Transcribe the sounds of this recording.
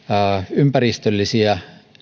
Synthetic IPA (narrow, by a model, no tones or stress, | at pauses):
ympærist̪ølːisiɑ